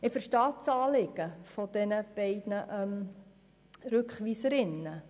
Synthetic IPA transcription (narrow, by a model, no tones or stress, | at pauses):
ɪfəɾʃtɑːt͡sɑːlɪɡ̥əfɔd̥̪ɛnəb̥ɛɪdnəʔœm | ɾʉkχʋiːsəɾɪnːə